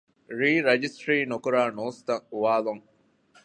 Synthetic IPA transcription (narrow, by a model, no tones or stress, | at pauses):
ɾiːɾɐd͡ʒisʈɾiːnokuɾaːnoːst̪ɐŋuʋaːloŋ